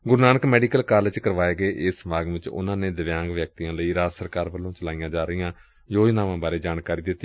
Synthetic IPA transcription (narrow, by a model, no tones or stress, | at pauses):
ɡʊɾnaːnəkmɛːɖiːkəlkaːləd͡ʒkəɾʋaːeːɡəeːʔɪːsmaːɡʋɪt͡ʃʊ̰nãːneːd̪əʋjãːŋɡʋjək̚t̪iːjãːləiːɾaːsəɾkaːɾʋəlːõːt͡ʃəlaːijãːd͡ʒaːɾəijãː | d͡ʒoːd͡ʒnaːʋãːbaːɾeːd͡ʒaːnkaːɾiːd̪ɪt̪ːi